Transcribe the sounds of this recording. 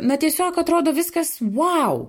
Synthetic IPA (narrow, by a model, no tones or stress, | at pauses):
nɐt̪ʲiɛsʲoːkɐt̪ɾoːd̪oːʋʲɪskɐsʋaʊ